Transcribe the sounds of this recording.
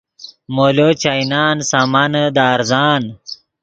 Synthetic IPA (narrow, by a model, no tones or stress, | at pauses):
molot͡ɕajnaːnsamanəd̪aːɾzaːn